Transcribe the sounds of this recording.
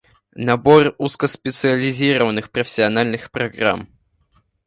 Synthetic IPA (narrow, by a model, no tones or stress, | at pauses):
nɐboruskəspʲɪt̪sɨəlʲɪzʲiɾəvənɨxpɾəfʲɪ̥sʲɪɐnalʲnɨxpɾɐɡra̰m